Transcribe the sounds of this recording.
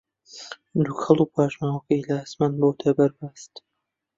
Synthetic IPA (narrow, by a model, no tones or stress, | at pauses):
d̪uxʰɐlˠuːpʰaːʒmaːwɐkɐjlasmanboːt̪ʰɐbɐɾbast̪